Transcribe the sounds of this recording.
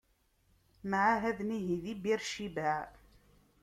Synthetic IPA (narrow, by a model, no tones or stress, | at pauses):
maʕaɦæðniɦiðibiɾʃiba